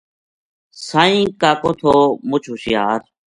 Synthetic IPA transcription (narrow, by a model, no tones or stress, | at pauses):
sãːĩːkaːkoːt̪ʰoːmʊt͡ʃʰuːsɪjaːɾ